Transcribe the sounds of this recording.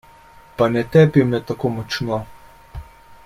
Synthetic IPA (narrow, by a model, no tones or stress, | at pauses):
panɛt̪ɛpimnɛt̪akoːmɔt͡ʃnɔ